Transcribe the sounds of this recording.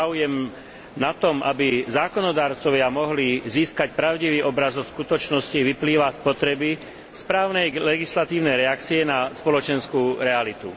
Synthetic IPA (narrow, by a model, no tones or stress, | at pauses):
aujɛm | nat̪ɔmʔa̰bizaːkɔnɔd̪aːɾt͡sɔʋɪamɔɦliziːskacpɾaʊɟiʋiːʔɔbɾazɔskut̪ɔt͡ʃnɔsciʋipliːʋaspɔt̪ɾɛbi | spɾaːʊnɛjlɛɡislat̪iːʊnɛjɾɛak̚t͡siɛnaspɔlɔt͡ʃɛnskuɾɛalit̪ṵ